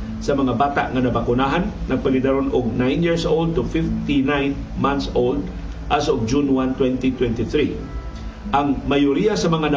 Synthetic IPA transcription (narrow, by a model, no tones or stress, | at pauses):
sɐmɐŋabaːt̪a̰ʔŋanɐbakʊnaɦanːɐɡ̚pɐɡɪd̪aɾonʔʊɡ̚najnjiɹsʔold̪̚t̪ʊfift̪inajn | manθsold̪̚ | ʔasʊɡ̚d͡ʒunwant̪wɛnt̪it̪wɛnt̪iθɾi | ʔaŋmajʊɾijasɐmɐŋanɐ